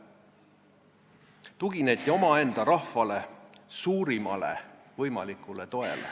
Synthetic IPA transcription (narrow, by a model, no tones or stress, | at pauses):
t̪uɡ̥inet̪ʲːˑio̞mɑe̞nd̪̥ɑɾɑhfɑle̞suːɾimɑ̰lḛ | vɤjmɑlikːˑule̞t̪o̞e̞̰lḛ